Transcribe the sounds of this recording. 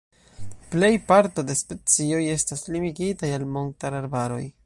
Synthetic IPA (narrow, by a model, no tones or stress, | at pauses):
ple̞jpaɾto̞despe̞t͡sioje̞staslimiɡitajalmo̞ntaɾaɾbaɾo̞̰j